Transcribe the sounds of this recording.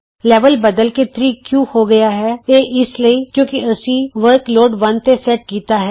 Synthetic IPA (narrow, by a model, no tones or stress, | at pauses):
leːʋəlbɐd̪əlket̪ʰɾiːkjũːhoɡɐjaɦɛːjeːʔɪsliikjõːkiɐsiʋəɾkloːɖʋɐnt̪esɛʈ̚kiːt̪aɦɛː